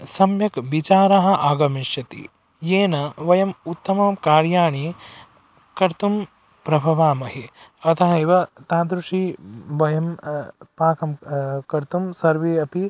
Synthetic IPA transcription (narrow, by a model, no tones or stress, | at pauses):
sɐmjɐkʋit͡ʃaːɾɐɦɐ̆ʔaːɡɐmiʃjɐt̪ḭ | jeːnɐʋɐjɐmut̪ːɐmɐmkaːɾjaːɳe | kɐɾt̪um | pɾɐbʱɐʋaːmɐɦiɐt̪ʰɐɦɐiʋɐt̪aːd̪ɾuʂiʋɐjɐmpaːkɐmkɐɾt̪umsɐɾʋeːɐpi